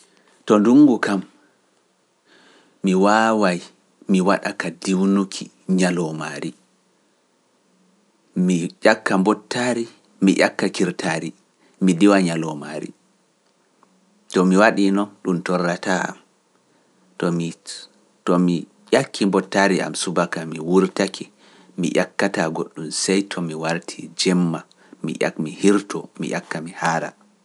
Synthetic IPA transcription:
tɔnduŋɡukam | iwaːwaj | miwaɗakadiwnukʰi | ɲalɔmaːɾi | miʄakːambɔtːaɾi | mḭʔakːakiɾtʰaɾi | midiwaɲalɔma̰ɾḭ | tɔmiwaɗinɔnɗumtɔrːataa̰m | tɔmi | tɔmi | jakʰːimbɔtːaɾiʔa̰msubakamiwuɾtakʰi | mḭʔakːataɡoɗːumsɛjtʰɔmiwaɾtʰid͡ʒɛmːa | mḭʔa̰mihiɾtʰɔ̰mḭʔa̰kːamihaːɾa̰

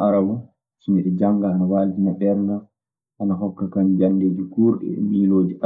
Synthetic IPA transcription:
aɾawu | t͡ʃimiɗɛd͡ʒaŋɡaanawaːltinabɛɾna | hanaɦɔkːakamd͡ʒandeːd͡ʒukuːɾɗɛ̰miːloːd͡ʒiʔa

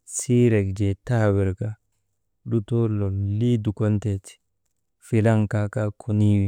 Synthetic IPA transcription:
siɾɛkd͡ʒɛtawɛɾka | ɗutɔlɔlidukɔntɛti̥ | filaŋkakakʰuniwi

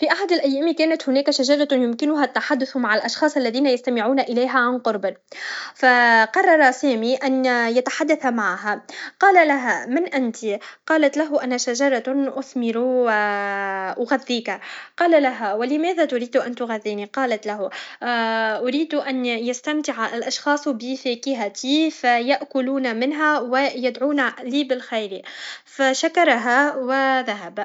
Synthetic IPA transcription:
fiːʔaħad̪ɪlʔæjːæːmikæːnat̪hʊnæːkaʃaʒɑɾˤɑjʊmkɪnʊɦæt̪ːaħad̪ːʊθmaʕalʔɑʃxɑːsˤʔalːæðiːnajast̪amɪʕuːnaʔɪlajɦæʕanqʊɾˤb | faqɑrˤːɑɾˤɑsɛːmiʔænjat̪aħad̪ːaθmaʕɦaqɑːlalaɦæmɪnʔɪnt̪iqɑːlat̪laɦʊʔanæʃaʒɑɾˤɑʔʊθmɪɾu | ʔʊɣaðːiːkaqɑːlalaɦæwɪlɪmɛːðæt̪ʊɾiːd̪ʔant̪ʊɣaðːiːniqɑːlat̪laɦu | ʔʊɾiːd̪uʔanjast̪amt̪ɪʕaʔlʔɑʃxɑːsˤbɪfɛːkɪɦat̪ifajaʔkʊluːnamɪnɦæwɪjad̪ʕuːnaliːbɪlxajɾifaʃakɑɾˤɑɦawɪðaɦab

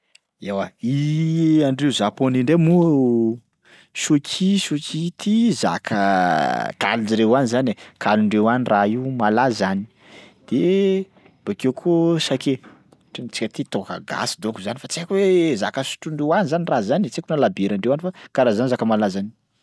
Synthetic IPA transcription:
ewaiaɳɖ͡ʐeuzaponiɳɖ͡ʐemu | ʃukʲʰiʃukʲʰit̪ʰiza̰kʰə | k̪a̰lid͡ʒiɾewanizanekʰaluɳɖ͡ʐewaniraiumalazani̥ | d̪̥e | b̥akewkʰosake | ʈ͡ʂent͡si̥kʲət̪it̪okə̰ɡa̰si̥d̪okuzanifat͡siakweza̰kəsu̥ʈ͡ʂuɳɖ͡ʐewanizanirazanet͡sekunalabeɾaɳɖ͡ʐewanifakaɾazanizakəmalazani̥

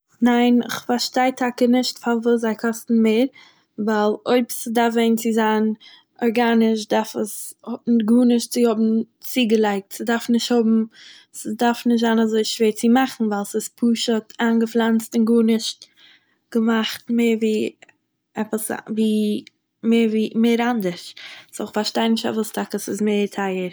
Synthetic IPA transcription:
naɪnɪ̰χfaɾʃtaɪtʰakənɪʃtfavuːs̬zaɪkʰɔstn̩meːɾ | valˠoɪbsɪdaɾfveɪnt͡sɪzaːn | ɔɾɡanɪʃ̬daɾfəshʊtnɡuːnɪʃtt͡sɪhʊbm̩ | t͡siːɡəlˠaɪk̚tsɪdaɾfnɪʃthʊbm̩ | sədaɾfnɪʃtzaːnazoɪʃveːɾt͡sɪmaχn̩valˠsɪspʰuːʃətʰaːnɡəflˠant͡stɪnɡuːnɪʃt | ɡ̥əmaχtmeːɾviː | ɛpəsviː | meːɾviːmeɪɾandəɾʃsoɪχfaɾʃtaɪnɪʃta̰vʊstʰakəsɪsmeɪɾtʰaɪəɾ

